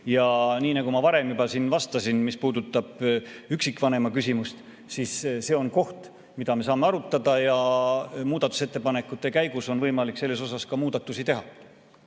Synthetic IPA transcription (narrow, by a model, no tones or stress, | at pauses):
jɑniːnɑkumɑvɑɾe̞mjubɑsinvɑst̪ɑsinmispuːd̪̥ut̪ːˑɑb̥yksikːˑvɑne̞mɑkysʲimust̪ | sisse̞ːo̞nko̞ht̪ | mid̪̥ɑme̞s̬ɑːme̞ɑɾut̪ːˑɑd̪̥ɑjɑmuːd̪̥ɑt̪ːˑu̥set̪ːˑepɑne̞kːˑut̪ːˑekæjɡuso̞nvɤjmɑlikselːe̞so̞sɑskɑmuːd̪̥ɑt̪ːˑusit̪e̞ɦɑ